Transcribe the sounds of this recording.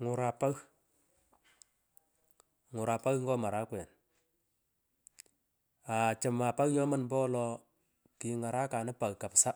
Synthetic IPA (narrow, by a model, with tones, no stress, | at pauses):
ŋʊ˨ɾa˨pa˦ɣ | ŋʊ˨ɾa˨pa˦ɣŋɡɔ˦ma˨ɾa˦kwɛ˨n | a˨t͡ʃə˨ma˨pa˦ɣɲɔ˦ma˦˨nbɔ˦lɔ˦ | ki˨ŋa˨ɾa˦ka˨nɪ˦pa˨ɣka˨psa˦